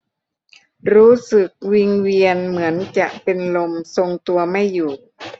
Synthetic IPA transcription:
ɾuː˦˥sɯ˨˩k̚wi˧ŋwi˧ənmɯ˩˦ənt͡ɕa˨˩ʔpe˧nlo˧mso˧ŋt̪u˧ɐma˥˩jːuː˨˩

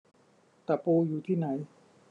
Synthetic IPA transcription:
t̪a˨˩puː˧juː˨˩t̪ʰiː˥˩na˩˦j

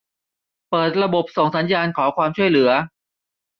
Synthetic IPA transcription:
pɤː˨˩t̪̚ɾa˧bo˨˩p̚so˨˩ŋsa˩˦njaː˧nkʰɔː˩˦kʰwaː˧mt͡ɕʰu˥˩əjlɯ˩˦ɐ

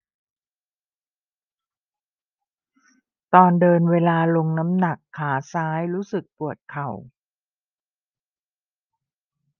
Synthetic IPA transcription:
t̪ɔː˧ndɤː˧nweː˧laː˧lo˧ŋna˦˥mna˨˩kʰːaː˩˦saː˦˥jɾuː˦˥sɯ˨˩k̚pu˨˩ət̪̚kʰa˨˩w

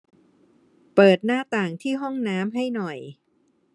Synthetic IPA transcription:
pɤː˨˩t̪̚naː˥˩t̪aː˨˩ŋt̪ʰiː˥˩ɦɔ˥˩ŋnaː˦˥mɦa˥˩jnɔ˨˩j

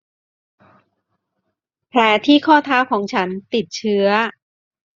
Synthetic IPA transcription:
pʰlɛː˨˥t̪ʰiː˥˩kʰɔː˥˩t̪ʰaː˦˥wkʰɔː˩˦ŋt͡ɕʰa˦˥nt̪i˨˩t̪̚t͡ɕʰɯ˦˥ɐ

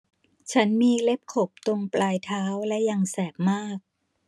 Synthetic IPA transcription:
t͡ɕʰa˦˥nmiː˧le˦˥p̚kʰo˨˩p̚t̪o˧ŋplaː˧jt̪ʰaː˦˥wlɛ˦˥ʔja˧ŋsɛː˨˩k̚maː˥˩k̚

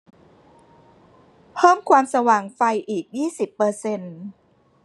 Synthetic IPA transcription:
pʰɤː˥˩mkʰwaː˧msa˧waː˨˩ŋfa˧jʔiː˨˩k̚jiː˥˩si˨˩pːɤː˧se˧n

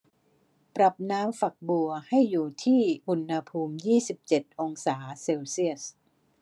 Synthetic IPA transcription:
pɾa˨˩p̚naː˦˥mfa˨˩k̚bu˧ɐha˥˩jːuː˨˩t̪ʰiː˥˩ʔu˧nha˧pʰuː˧mjiː˥˩si˨˩p̚t͡ɕe˨˩t̪̚ʔo˧ŋsaː˩˦se˧wsi˥˩əs

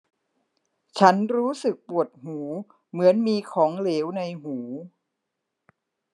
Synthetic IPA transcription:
t͡ɕʰa˦˥nɾuː˦˥sɯ˨˩k̚pu˨˩ət̪̚huː˩˦ | mɯ˩˦ənmiː˧kʰɔː˩˦ŋleː˩˦wna˧jɦuː˩˦

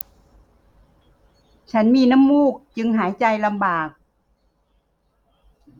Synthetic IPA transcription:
t͡ɕʰa˦˥nmiː˧na˦˥˨mːuː˥˩k̚t͡ɕɯ˧ŋɦaː˩˦jt͡ɕa˧jla˧mbaː˨˩k̚

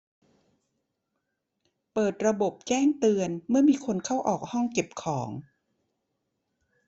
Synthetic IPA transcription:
pɤː˨˩t̪̚ɾa˧bo˨˩p̚t͡ɕɛː˥˩ŋt̪ɯ˧ənmɯ˥˩ɐmiː˧kʰo˧nkʰa˥˩wʔɔː˨˩k̚hɔ˥˩ŋke˨˩p̚kʰɔː˩˦ŋ

